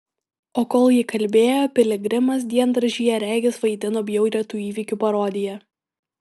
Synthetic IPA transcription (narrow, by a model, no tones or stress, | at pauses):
oːkoːlˠjɪkɐlʲˑbʲeːjoːpʲɪlʲɪɡɾʲɪmɐs̬d̪ʲiɛnd̪ɾɐʒʲijɛɾʲæˑːɡʲɪsʋɐɪd̪ʲɪnoːbʲjɛʊɾʲiɛt̪uːiːʋʲɪkʲupɐɾoːd̪ʲɪjɛ